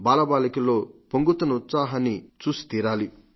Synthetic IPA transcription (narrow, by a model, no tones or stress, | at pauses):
baːlɐbaːlɐkilo̞ːpoŋɡut̪ːɐnut̪saːɦɐnːit͡ʃuːsi̥t̪iːɾaːli